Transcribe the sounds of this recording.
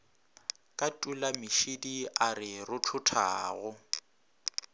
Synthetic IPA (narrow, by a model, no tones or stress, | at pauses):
kʼatʼulamɪʃidiarɪrʊtʰʊtʰa̰ːɣʊ